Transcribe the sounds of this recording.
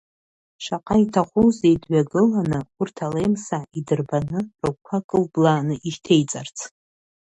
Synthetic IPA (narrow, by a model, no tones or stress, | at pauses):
ʃaqʼaitʰaχʷuzejdɥaɡɨlanɨʊrtʰalejmsaidɨrbanɨrawkʷʰakʼɨlblaːnɨʔiʃtʰe̞jt͡sʼart͡sʰ